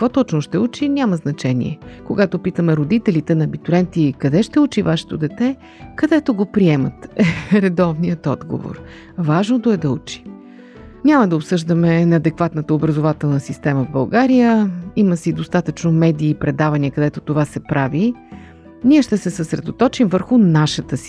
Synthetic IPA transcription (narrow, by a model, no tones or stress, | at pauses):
kə̥kvɔt̪ɔt͡ʃnoʃt̪ɛut͡ʃinʲaməznɐt͡ʃɛnʲḭɛ̰koɡat̪opit̪əmɛɾod̪it̪ɛlit̪ɛnɐːbit̪uɾɛnt̪ikɐd̪ɛʃt̪ɛut͡ʃivaʃɛ̥t̪od̪ɛt̪ɛ | kɐd̪ɛt̪oɡopɾiɛmət̪ɛɾɛd̪ɔvnijət̪ɔd̪ɡo̰vo̰ɾ | vaʒnod̪oɛd̪ɐut͡ʃi̥ | nʲaməd̪ɐopsɤʒd̪əmɛnɐːd̪ɛkvat̪nət̪əobɾəzʊvat̪ɛlˠnəsist̪ɛməvbɐlˠɡaɾijəiməsid̪ost̪at̪ət͡ʃnomɛd̪iːpɾɛd̪avɐniəkɐd̪ɛt̪ot̪ovasɛpɾavi | niɛʃt̪ɛsɛsəsɾɛ̰d̪ot̪ɔt͡ʃimvəɾxʊnaʃət̪əsi̥